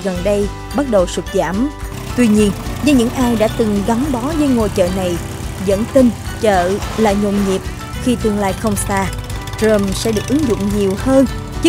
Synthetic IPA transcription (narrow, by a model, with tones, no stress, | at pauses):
ɣə˨˩nɗə˧j | ɓa˦˥t̚ɗə˨˩wsu˨˩t̚za̰ː˧˩m | t̪wi˧ɲi˧ənzəː˨˦ɲɨ̰˧˥ŋʔaː˧jɗa̰ː˧˥t̪ɨ˨˩ŋɣa˨˦wŋ͡mɓɔ˨˦zəː˨˦jŋo˨˩jt͡ɕə̰ː˧˨na˨˩j | zə̰˧˥nt̪ï˧nt͡ɕə̰ː˧˨la̰ː˧˨jɲo̰˧˨ŋ͡mɲi˨˩əp̚ | xi˧t̪ɨ˨˩əŋla̰ː˧˨jxə˧wŋ͡msaː˧ | tɾə˧msɛ̰˧˥ɗɨ˨˩ək̚ʔɨ˨˦ŋzʊ̰˧˨ŋ͡mɲi˨˩əwhəː˧n | t͡ɕɨ˦˥